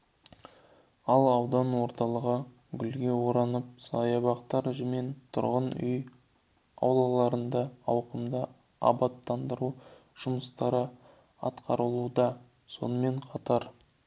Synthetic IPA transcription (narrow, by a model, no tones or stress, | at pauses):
ɑlˠɑwd̪ɑnwo̞ɾt̪ɑlˠəʁə | ɡʲʏlɡʲewo̞ɾɑnəp̚sɑ̰jɑbɑqt̪ɑɾʒəme̞nt̪ʰʊ̰ɾʁənʏ̰j | ɑ̰wlˠɑlˠɑɾənd̪ɑɑwqəmd̪ə | ɑ̰bɑt̪ːɑnd̪əɾuʒ̥ʊməst̪ɑɾə | ɑ̰t̪qɑɾəlˠud̪ɑ | so̞̰nəme̞ɴqʰɑt̪ɑɾ